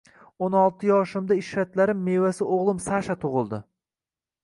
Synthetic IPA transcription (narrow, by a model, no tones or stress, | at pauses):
onɒlˠt̪ʰɪjɒʃɪmd̪aɪʃɾat̪laɾɪmːe̞vasɪʔoʁlˠɪmsaʃat̪ʰʊʁɨlˠd̪ɪ